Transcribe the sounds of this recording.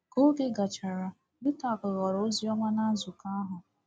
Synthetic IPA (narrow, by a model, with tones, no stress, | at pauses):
ko˦ɡe˦ɡa˨t͡ʃa˨ɾa˨ | bɪ˦ta˨kʊ˨ɣɔ˨ɾo˨˦zi˦ɔ˦ma˦na˦zu˨ka˦a˦ɦʊ˨